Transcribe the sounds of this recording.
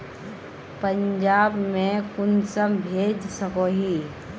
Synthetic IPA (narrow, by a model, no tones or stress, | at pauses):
pə̃ɲd͡ʒaːbmẽkʊnsəmbʱeːd͡ʒsəkoɦiː